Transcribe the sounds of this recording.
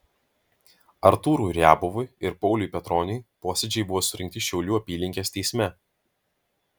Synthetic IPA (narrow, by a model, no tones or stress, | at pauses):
ɐɾt̪uːɾuːɾʲæːbʊʋʊɪɪɾpɒʊlʲuˑjpʲɛt̪ɾɔːnʲɛɪpoːsʲɛd͡ʒʲɛɪbʊʋoːsʊɾʲɪŋkt̪ʲɪʃʲɛʊlʲuːɐpʲiːlʲɪŋʲkʲeːst̪ʲɛɪsʲmʲɛ